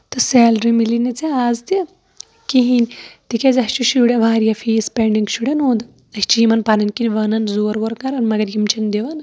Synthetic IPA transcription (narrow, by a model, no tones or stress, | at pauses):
t̪ɨseːlɾimilinɐt͡seaːzd̪i | kiɦinʲt̪ikʲezɐst͡ʃuʃuɽeʋaːɾjafiːspeɳɖiŋɡʃuɽɐnoːnd̪ | ɐsʲt͡ʃʰiimɐnpanɐnkinʲʋɐnɐnzoːɾʋoɾɡɐɾɐnmɐɡɐɾɡimt͡ʃʰɐnd̪eʋɐnɐ